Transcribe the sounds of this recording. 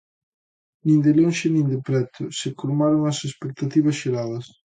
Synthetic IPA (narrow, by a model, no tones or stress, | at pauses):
nĩnd̪ɪlonʃɪnĩŋd̪ɪpɾɛt̪ʊsɪkoɾmaɾoŋɐsespek̚t̪at̪iβɐsʃeɾaðɐs